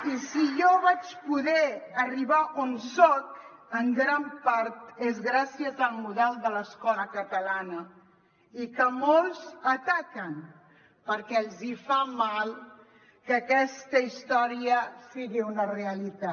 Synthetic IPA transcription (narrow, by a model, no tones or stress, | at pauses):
isijɔβat͡ʃpuðɛəriβaʔonsɔk | əŋɡɾampaɾt̪ezɣɾasiəzəlˠmuðɛlˠd̪ələskɔləkət̪əlanə | ikəmolˠzət̪akən | pəɾkɛəlˠzifamalˠ | kəkɛst̪əist̪ɔɾiəsiɣiunəreəlit̪a